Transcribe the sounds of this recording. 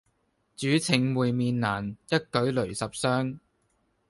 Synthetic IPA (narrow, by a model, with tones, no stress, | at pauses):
t͡ʃyː˨˥t͡sʰɪ˨˩ŋwuː˨jmiː˨˧nːaː˨˩njɐ˥t̚kɵ˨˥ɥlɵ˨˩ɥsɐ˨p̚sœː˥ŋ